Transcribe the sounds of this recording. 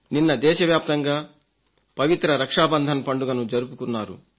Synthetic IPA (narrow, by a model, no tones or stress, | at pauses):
ninːɐd̪ɛːʃɐʋjaːp̚t̪ɐŋɡaː | pɐʋit̪ɾɐɾɐkʂaːbɐnd̪ʱɐnɐpɐɳɖuɡɐnud͡ʒɐɾupukunːaːɾṵ